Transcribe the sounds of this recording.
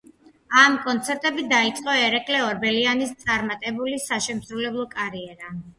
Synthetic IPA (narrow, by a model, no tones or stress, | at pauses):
amkʼɔnt̪sʰɛɾt̪ʼɛbid̪ait̪sʼqʼɔɛɾɛkʼlɛɔɾbɛlianist̪sʼaɾmat̪ʼɛbulisaʃɛmsɾulɛblˠɔkʼaɾiɛɾa